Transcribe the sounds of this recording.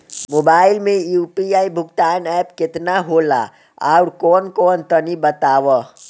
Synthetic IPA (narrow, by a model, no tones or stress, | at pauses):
moːbaːɪlmẽjuːpiaːibʱʊɡt̪aːnɛːpkɪt̪naɦoːla̰ | a̰ʊɾkɔːnkɔːnt̪ənibət̪aːwə